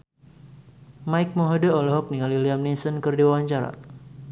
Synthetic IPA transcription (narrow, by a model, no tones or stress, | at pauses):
majk̚mɔɦodəolɛɦɔk̚niŋaliliamnisənkərdiwawaɲt͡ʃaɾa̰